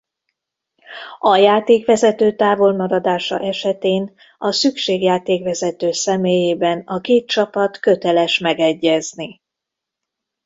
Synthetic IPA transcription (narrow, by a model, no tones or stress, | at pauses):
ɒjaːt̪eːkʋɛzɛt̪øːt̪aːvo̞lmɒɾɒd̪aːʃɒ̰ʔɛʃɛt̪eːn | ɒsykʃeːɡjaːt̪eːkʋɛzɛt̪øːsɛmeːjeːbɛnɒkeːt̪̚t͡ʃɒpɒt̪kø̞t̪ɛlɛʃmɛɡɛɟːɛzni